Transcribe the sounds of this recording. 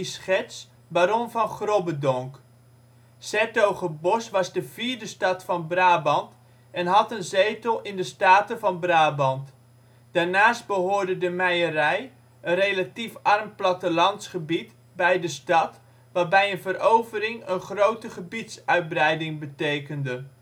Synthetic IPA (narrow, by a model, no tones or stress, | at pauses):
sχɛs | baːɾɔnvɑnχrobədɔŋk | sɛtowχəbɔsʋɑzdəv̥iːɹdəstɑtfɑnbraːbɑnt | ɛnɦɑtənzeːtəlˠɪndəstaːtəvɑnbraːbɑnt | d̥aːɹnaːst̚bəɦoːɹdədəmɛjərɛj | ənrelatifɑrmplatəlɑntsχəbit | bɛjdəstɑt | ʋaːrbɛjənvərowvərɪŋənχrowtəχəbitsœɥt̚brɛjdɪŋbətejkəndə